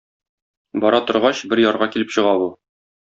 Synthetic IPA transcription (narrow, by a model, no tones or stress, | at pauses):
bɒɾɑt̪ŏɾʁɑɕbɘɾjɒɾʁɑkilɘpɕɤ̆ʁɑbu